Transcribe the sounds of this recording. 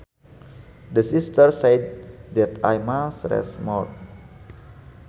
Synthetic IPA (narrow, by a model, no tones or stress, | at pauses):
dəsist̪ərsejd̪̚dɛt̪ajmasɾɛ̰smɔt̪̚